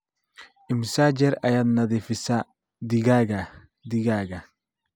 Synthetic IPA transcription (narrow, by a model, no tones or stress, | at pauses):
ʔɪmsad͡ʒɛɾɐjɐd̪nɐd̪ɪfɪsa | d̪ɪɡaːɡa | d̪ɪɡaːɡa